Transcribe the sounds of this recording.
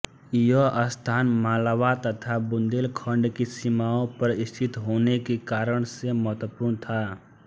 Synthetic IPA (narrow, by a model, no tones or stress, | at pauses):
joəst̪ʰaːnmaːlaːʋat̪ət̪ʰabʊ̃nd̪eːlkʰə̃ɳɖkisimaːõpɐɾɪst̪ʰɪt̪ɦoːnekekaːɾəɽ̃semɔɦt̪əpʊːɾnt̪ʰaː